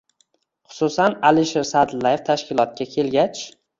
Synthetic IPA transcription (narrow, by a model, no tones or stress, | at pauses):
χʊ̥susanalɪʃeɾsad̪ɪlajeft̪ʰaʃkʲɪlˠɒt̪̚kʲakʲʰe̞lɡʲat͡ʃ